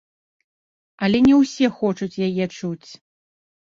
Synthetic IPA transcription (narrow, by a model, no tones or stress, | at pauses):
ɐlʲɛnʲɛwsʲɛxɔt͡ʂut͡sʲjajɛt͡ʂut͡sʲ